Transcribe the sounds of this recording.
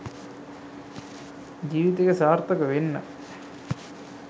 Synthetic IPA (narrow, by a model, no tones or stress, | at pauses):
d͡ʑiːʋit̪eɡesaːɾt̪ɐkɐʋenːɐ